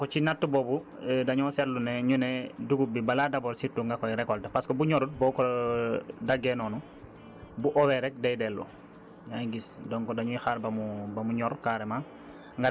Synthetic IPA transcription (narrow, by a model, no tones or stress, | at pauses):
kɔt͡ʃinatːubɔbu | daɲɔsɛɾlunɛɲunɛduɡubibaladabɔɾsitːuŋɡakɔjɾɛkɔltapaskɔbuɲɔɾut̚bɔkɔ | daɡɛnɔːnu | buʔɔwɛɾɛk̚dɛjdɛlṵ | ɲajɡisdɔŋkɔdaɲuixaɾbamubɐmuɲɔɾkaːɾɛma | ŋɡa